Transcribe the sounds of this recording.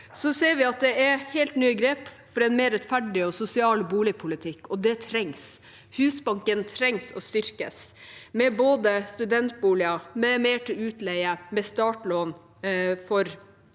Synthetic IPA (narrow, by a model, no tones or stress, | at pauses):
sɔseːɾʋɪɑt̪̚d̪ɛɛɾhɛlt̪nyːəɡɾeːp | fɔɾɛɪnmɛːɾɛt̪fæɖɪɔsʊsɪɑːlbuːlɪpʰʊlɪt̪ʰɪkːɔd̪ɛt̪ʰɾɛŋs | hʉːsbɑŋkənt̪ʰɾɛŋsɔ̰st̪ʏɾkə̰smɛboːd̪əst̪ʉd̪ɛnt̪̚buːlɪɑmɛmeːʈʰɪlʉːt̪lɛɪəmɛst̪ɑːʈloːn | fɔɾ